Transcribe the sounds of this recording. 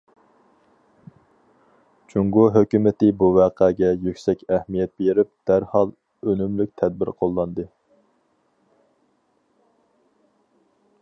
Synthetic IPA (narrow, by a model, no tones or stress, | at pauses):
t͡ʃʰuŋɡuɦøkʲymɪt̪ɪbuvæːqʰæːɡʲɛjykʲsɛkʲɛhmijɛt̪̚beɾɪp̚d̪̥æɾhɑlˠ | ønymlykʲt̪ʰɛd̪̚bɪ̰ɾqʰolˠːɑnd̪ɨ